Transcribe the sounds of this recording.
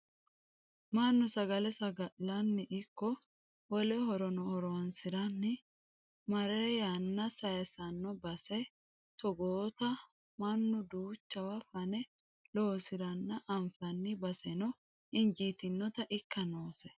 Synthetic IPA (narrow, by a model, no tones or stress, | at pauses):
mɐnːʊsɐɡɐlɛsɐɡɐʔlɐnːɪʔɪkːɔ | wɔlɛɦɔɾɔnɔhɔɾɔwnsɪɾɐnːɪ | mɐɾɛɾjanːɐsɐjɛsɐnːɔbɐsɛ | t̪ɔɡoːt̪ɐ | mɐnːʊd̪uːt͡ʃːɐwɐfɐnɛ | loːsɪɾɐnːɐʔɐɱfɐnːɪbɐsɛnɔ | ɪnd͡ʒiːt̪ɪnːɔt̪ɐʔɪkːɐnoːsɛ